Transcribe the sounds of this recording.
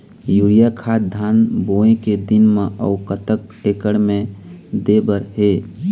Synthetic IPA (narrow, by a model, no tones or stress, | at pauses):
juːɾijakʰat̪̚d̪ʱaːnboẽked̪ɪnmẽʔə̰ʊkət̪ək̚ekəɽmẽd̪ebəɾɦe